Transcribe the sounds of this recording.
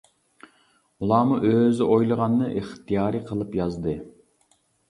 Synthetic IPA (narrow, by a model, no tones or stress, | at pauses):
ulˠɑːmuʔøzɪʔojlˠəʁɑnːɨʔeχt̪ʰijɑːɾɨqʰəlˠɨpjɑzd̪ɨ